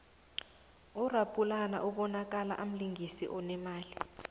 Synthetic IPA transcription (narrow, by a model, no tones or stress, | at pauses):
ɔrapʼulana̰ʔuɓɔnak̬ʼala̰ʔam̩liŋɡʱisḭʔɔnɛmaːli